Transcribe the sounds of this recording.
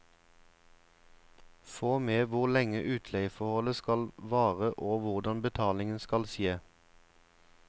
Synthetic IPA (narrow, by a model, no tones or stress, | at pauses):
foːmeːʋʊʁlɛŋəʔʉːt̪ʰlɛɪfɔhɔləskɑlʋɑːʁəʔoːʋʊʁd̪ɑnbət̪ʰɑːlɪŋənskɑlsjeː